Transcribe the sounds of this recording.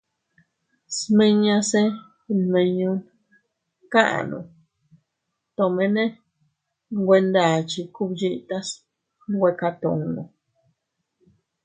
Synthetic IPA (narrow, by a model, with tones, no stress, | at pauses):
smĩ˧ɲã˧se˦ | nmẽ˧ɲũ˧˦n | kã˦ʔã̰˨nṵ̃˧˨ | t̪õ˧˨mẽ˧nẽ˦ | ŋɡʷe˧nd̪a˨t͡ʃi˧ku˦bd͡ʒi˧ʔt̪a˦s | ɡʷe˧ka˧t̪õ̰˨ŋnṵ̃˧˨